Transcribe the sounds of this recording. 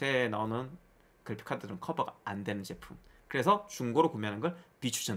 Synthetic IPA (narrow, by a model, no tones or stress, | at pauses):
enaonɯn | kɯɭpʰi̥kʰadɯɾɯnkʰʌbaɡaandwe̞nɯnt͡ɕepʰumkɯɾe̞sʰʌt͡ɕuŋɡoɾokomjɦanɯnɡʌɭpit͡ɕʰu̥ɕʰʌ